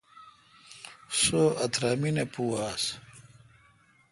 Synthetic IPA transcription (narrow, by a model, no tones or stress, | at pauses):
soɐt̪ʰɾɐminepuwaːs